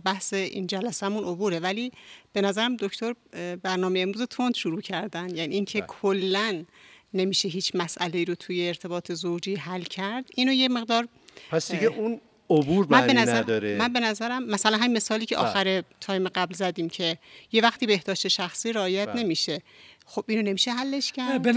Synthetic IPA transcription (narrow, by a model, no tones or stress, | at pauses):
bæhseʔḭnd͡ʒælæsæmuno̞buːɾevæliːb̥e̞næzæɾæmd̪o̞ct̪ʰoɾbæɾnɒːmejeemɾuːze̞t̪ʰo̞nd̪̥ʃuɾuːcʰæɾd̪ænjæniiːŋcʰe̞kʰolːænːe̞miːʃe̞ɦiːt͡ʃʰmæsʔæle̞iːɾot̪ʰuːjeːɾt̪ʰe̞bɒːt̪ʰe̞zowd͡ʒiːɦælcʰæɾd̪̥iːnojeme̞ɣd̪ɒːɾ | pʰæsd̪iɡeun | obuɾbænbenæzæd̪ɒɾemænbe̞næzæɾæmːæsælænɦæmime̞sɒːliːcʰe̞ʔɒ̰ːxæɾe̞t̪ʰɒːjimeɡæblzæd̪iːmcʰe̞je̞væxt̪iːbe̞hd̪̥ɒːʃt̪e̞ʃæxsiːɾeɒːjæt̪ʰne̞miːʃe̞xobʔiːnone̞miːʃeɦælːe̞ʃcʰæɾ